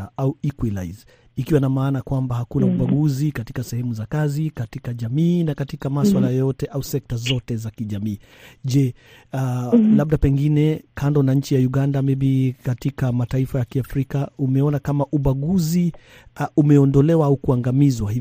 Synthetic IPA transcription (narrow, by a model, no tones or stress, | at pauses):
auikwilajz | ikiwanamaːnakwambahakunauɓaɡuzikati̥kasɛhɛmuzakazikatikaʄamiːnakatikamaswalajɔjɔtɛʔausɛk̚tazɔtɛzakiʄamiː | ʄɛ | laɓ̚ɗapɛŋɡinɛkʰandɔnaɲ̩t͡ʃijauɠandamiɓikatikamataifajakiafɾikaumɛɔnakamaʔuɓaɠuzi | umɛɔndɔlɛwaaukuaŋɡamizwahi